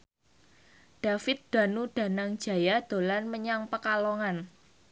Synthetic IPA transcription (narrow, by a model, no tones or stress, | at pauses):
d̥a̤fɪt̪̚d̪̥a̤nuɖ̥a̤naŋ̥d͡ʒ̥a̤jad̪̥o̤lanməɲaŋpəkaloŋan